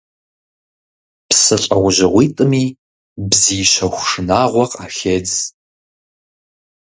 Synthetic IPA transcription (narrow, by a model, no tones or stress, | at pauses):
psɨɬʼɐʁʷʊʑɪʁʷiːtʼɨmiː | bziːʃɐxʷʂɨnaːʁʷɔqaːxeːd͡z